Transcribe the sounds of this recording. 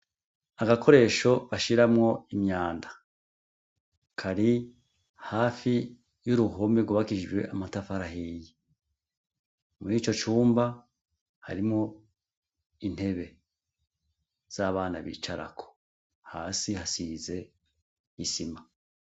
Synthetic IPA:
aɡakʰo̞ɾe̞ʃo̞βaʃiɾamŋo̞imɲaːnda | kʰaɾi | haːfi | juɾuɦomeɡwuβakiʒɡwe̞ʔamatafaɾahiji | muɾiːt͡ʃo̞t͡ʃuːmba | ha̰ɾimŋo̞ | in̥he̞βe̞ | z̥aːβaːnaβḭt͡ʃaɾa̰kʰo̥ | haːsihasize̞ | isima

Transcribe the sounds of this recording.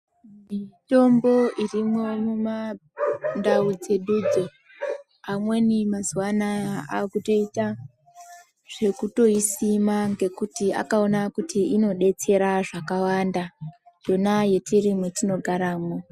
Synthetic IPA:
mito̞mbo̞irimwo̞muma | ndaud͡ze̞ɗuːd͡zo | amwe̞nimazuwanaa̰kuto̞ita | ʐ̥e̞kuto̞isimaŋɡe̞kutia̰kao̞nakutiino̞ɗe̞t͡se̞ɾaʐakawanda | d͡ʒo̞naje̞tʰirimwetino̞ɡʱaɾaːmo

